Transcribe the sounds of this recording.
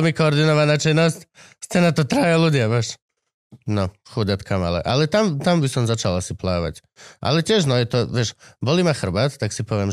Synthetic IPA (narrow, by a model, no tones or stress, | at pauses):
mikooɾd̪inoʋanat͡ʃenostʲ | st̪ɛnat̪ot̪ɾaːjalud̪iabaʃ | noxud̪at̪kʰama̰lˠɛ̰ʔa̰lɛt̪amt̪ambisomzat͡ʃalˠasiplˠaːʋa̰tʲ | a̰lɛtʲeʃnojɛt̪oʋeʃbolimaxr̩bat̪t̪aksipoʋjem